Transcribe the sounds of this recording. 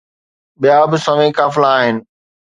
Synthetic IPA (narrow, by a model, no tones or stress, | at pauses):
ɓijabɪsɐʋẽkaːfɪlaːɦɪnɪ̆